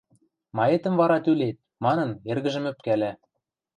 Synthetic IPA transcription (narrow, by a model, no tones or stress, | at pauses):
mɑet̪ə̆mvɑɾɑt̪ylet̪̚mɑnɤ̆nerɣɘ̆ʒɘ̆mø̆p̚kælæ